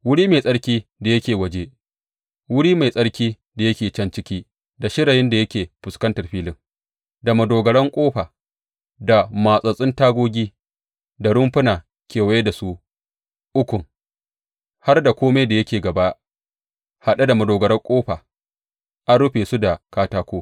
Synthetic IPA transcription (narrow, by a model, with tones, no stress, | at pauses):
wʊ˦ɽiː˦me˨sʼɐ˦ɽkʲiː˦da˨jɐ˦kʲeː˨wɐ˨d͡ʒe˦ | wʊ˦ɽiː˦ma˨jsʼɐ˦ɽkʲiː˦ | da˨jɐ˦kʲeː˨t͡ʃɐ˦nt͡ʃɪ˦kʲiː˦ | da˨ʃɪ˦ɽa˨jɪ˦nda˨jɐ˦kʲeː˨ɸʊ˨skɐ˦ntɐ˨rɸiː˦lɪ˦ŋ | da˨mɐ˨doː˨ɡɐ˨ɽɐ˦ŋkʷʼoː˦ɸaː˨ | da˨maː˨sʼɐ˨sʼɪ˦ntaː˦ɡʷoː˦ɡʲiː˦ | da˨ɽʊ˦mɸʊ˦naː˨ | kʲʰeː˨wa˦je˦da˨su˦ | ʔʊ˦kʷʊ˨ŋ | ha˦rda˨kʷoː˦ma˦da˨jɐ˦kʲeː˨ɡɐ˨ba˦ʔ | ha˨ɗa˦da˨mɐ˨doː˨ɡɐ˨ɽɐ˦ŋkʷʼoː˦ɸaː˨ | ʔa˦nɽʊ˦ɸeː˨su˦da˨kaː˦taː˦kʷoː˦